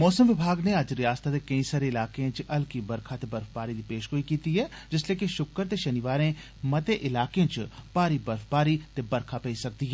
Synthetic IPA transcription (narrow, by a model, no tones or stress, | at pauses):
mɔːsəmʋɪbʱaːɡneɐd͡ʒɾɪjaːst̪ʰat̪ekɐĩsaːɾeɪlaːkeãt͡ʃɐlkibɐɾkʰat̪ebɐɾfbaːɾid̪ipeːʃɦoːikiːt̪iɦɛː | d͡ʒɪsleːkiʃʊkːəɾt̪eʃɐnɪʋaːɾẽ | mɐt̪eʔɪlaːkeãt͡ʃpaːɾibəɾfpaːɾit̪ebɐɾkʰapɛĩsɐk̚d̪iɦɛː